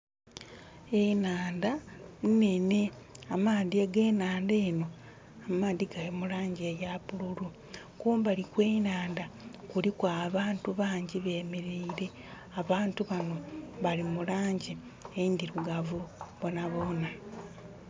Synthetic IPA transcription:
e̞naːndannene̞ | amaːðieɡe̞ːnaːnde̞ːno̞ | amaːðiɡaimulaːɲɟiejapululu | kuːmbalikweːnaːndakulikwaːβaːntuβaːɲɟiβe̞ːmeɾeiɾe̞ | aβaːntuβano̞βalimulaːɲɟi | eindiɾuɡavuβo̞naβo̞ːna

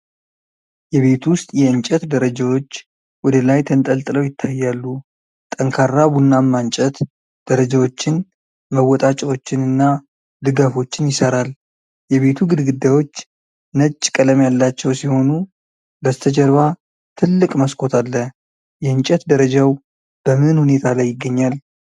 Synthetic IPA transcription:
jɛβe̞t̪ʰuwʊst̪ʼjɛɨnt͡ʃʼɛt̪d̪əɾəd͡ʒawo̞t͡ʃː | wɔd̪əlajt̪ʰənt̪ʼəlt̪ʼɨləwjɪt̪ʰːajːalːu | t̪ʼəŋkʰarːaβunːamːant͡ʃʼɛt̪ | d̪̥əɾəd͡ʒawo̞t͡ʃːɪn | məwːɔt̪ʼat͡ʃʼwo̞t͡ʃːɪnɨnːa | d̪ɨɡafo̞t͡ʃːɪnjɪsəɾal | jɛβe̞t̪ʰuɡɨd̪ɡɨd̪ːawo̞t͡ʃː | nət͡ʃʼːkʼələmjalːat͡ʃːɛwsiho̞nu | bəzt̪ʰəd͡ʒɛɾβa | t̪ʰɨlːɨkʼməskʰo̞t̪ʰalːə | jɛɨnt͡ʃʼɛt̪d̪əɾəd͡ʒaw | b̥əmɨɨnhune̞t̪ʰalajːɪɡːəɲːal

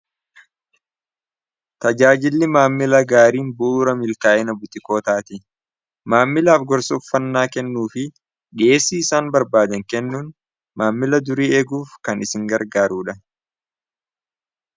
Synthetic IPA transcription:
t̪ɐd͡ʒaːd͡ʒɪlːɪmaːmːɪlɐɡaːɾiːnbʊuːɾɐmɪlkaːʔɛnɐbʊt̪ʼɪko̞ːt̪aːt̪ɪ | maːmːɪlaːfɡɔɾsɔfːɐnːaːkɛnːuːfɪ | ᶑe̞ːsːiːɪsaːnbɐɾbaːd̪ɐŋkɛnːuːn | maːmːɪlɐd̪ʊɾiːɛɡuːfkɐnɪsɪŋɡɐɾɡaːɾuːᶑɐ

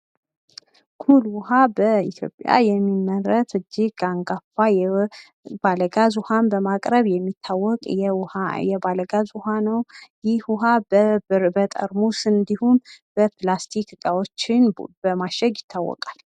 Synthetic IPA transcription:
kʰulwʊɦabəit̪ʰjo̞̰pʼja̰jɛmːimːəɾət̪ɨd͡ʒːɪɡaŋɡafaj | baləɡazuhanbəmakʼɾəβjɛmːit̪ʰːawːɔkʼajɛbaləɡazuhanəwjɪhwuɦabəbɨɾbət̪ʼə̰ɾmusɨnd̪ihumb̥əplast̪ʰikɡʼawot͡ʃːɪnbəmaʃəɡjɪt̪ʰːawːɔ̰kʼal

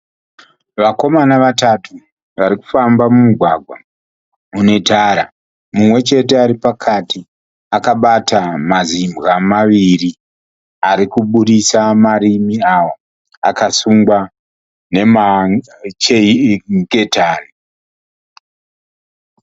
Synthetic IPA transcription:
ʋako̞manaʋatatʰu | ʋaɾiku̥fambamumuɡʱwaɡʱwa̰ | une̞taːɾa | mumwe̞t͡ʃe̞te̞aɾipakʰati | akaɓatamazimɣamaʋiri | aɾikuɓuɗisamaɾimiawa | a̰kasuŋɡwa | ne̞ma | t͡ʃeɡe̞taːri

